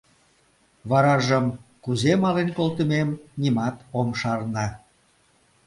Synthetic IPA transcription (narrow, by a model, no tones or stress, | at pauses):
βɑɾɑʒəmkuzemɑlenkolt̪əmemnimɑt̪omʃɑrnɑ